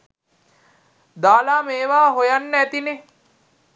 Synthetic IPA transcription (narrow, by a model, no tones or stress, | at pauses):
d̪aːlaːmeːʋaːɦojanːəæt̪ine